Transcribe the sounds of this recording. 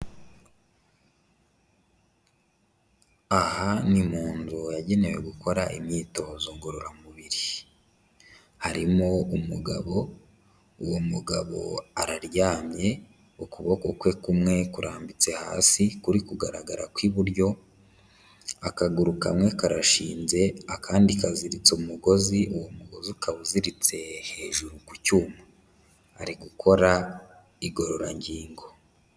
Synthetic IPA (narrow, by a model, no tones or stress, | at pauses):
ahanimuːnzujaɟe̞ne̞we̞ɡuko̞ɾaʔimɲiːto̞zoːŋɡo̞ɾoɾamuβiɾi | haɾimo̞umuɡaβo̞ | uwomuɡaβo̞̰aɾaɾjaːmɲe̞ | ukuβo̞ko̞kwe̞kumŋe̞kuɾʔaːmbit͡se̞ha̰ːsikuɾikuɡaɾaɡaɾa̰kwiβuɾjo̞ | akaɡuɾuka̰mŋekaɾaʃiːnze̞akʰaːndikaziɾit͡sumuɡo̞ziʔuwomuɡo̞zikaβuziɾit͡se̞he̞ːʒuɾuku̥cuːma | aɾiɡukʰo̞ɾa | iɡo̞ɾo̞ɾaɲɟiːŋɡo̞